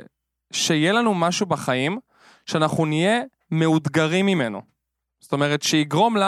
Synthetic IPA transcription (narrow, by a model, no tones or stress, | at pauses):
ʃejelanumaʃubaχaim | ʃeanaχunije̞ | me̞ud̪ɡaʁimːime̞no̰ | zoto̞me̞ʁ̞etʃeiɡʁo̞mla